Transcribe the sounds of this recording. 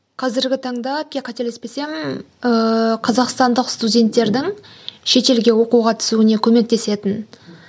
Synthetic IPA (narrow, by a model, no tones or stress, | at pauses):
qʰɑzɪɾɡʲɪt̪ʰɑɴd̪ɑp̚kʲeqʰɑt̪elespe̞se̞mɪn | əqʰɑzɑqst̪ɑnd̪əqst̪udʲe̞nt̪ːe̞ɾd̪ɪŋ | ʃe̞t̪e̞lɡʲe̞wo̞quʁɑt̪ʰʏ̥suɪne̞kʲʰɵme̞k̚t̪e̞se̞t̪ɪn